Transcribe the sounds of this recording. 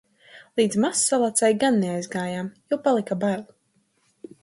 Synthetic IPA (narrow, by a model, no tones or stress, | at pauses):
lˠiːd̪zmasːalˠat̪sajɡanːeajzɡaːjamjɔwpalˠikabalʲ